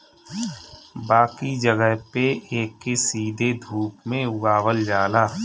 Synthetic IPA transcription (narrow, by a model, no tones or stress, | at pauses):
baːkid͡ʒəɡəɦpeʔeːkːesiːd̪ʱed̪ʱuːpmẽʊɡaːʋəld͡ʒaːlaː